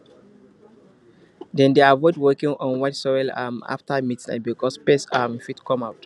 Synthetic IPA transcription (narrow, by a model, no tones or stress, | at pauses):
dɛ̃ndeavɔɪdwɜkĩŋɔ̃nwatsɔɛlama̰ftamitina̰bikɔspɛsamfitkɔ̃maʊt